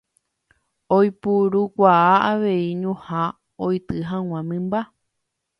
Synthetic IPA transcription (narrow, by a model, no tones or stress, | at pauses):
ojpuɾukʷaaaʋe̞iɲũhã | ojt̪ɨɦãw̃ãmɨ̃mba